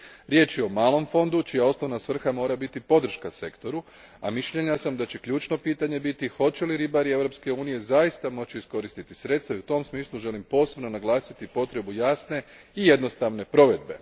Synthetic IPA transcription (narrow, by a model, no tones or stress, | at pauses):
ɾje̞ːt͡ʃjeo̞maːlˠo̞mfo̞nd̪ut͡ʃijao̞sno̞ʋnasʋr̩xamo̞ːɾabit̪ipo̞d̪r̩ʃkase̞kt̪o̞ɾu | a̰miʃʎe̞ɲasamd̪at͡ɕe̞klʎuːt͡ʃno̞piːt̪aɲe̞bit̪ixo̞t͡ɕe̞liɾibaɾie̞ʋɾo̞pske̞uːnije̞zajist̪amo̞t͡ɕiisko̞ɾist̪it̪isɾe̞t̪st̪ʋaiut̪o̞msmiːslˠuʒe̞limpo̞se̞bno̞naɡlˠaːsit̪ipo̞t̪ɾe̞bujaːsne̞ | ijed̪no̞st̪aʋne̞pɾo̞ʋe̞d̪be̞̰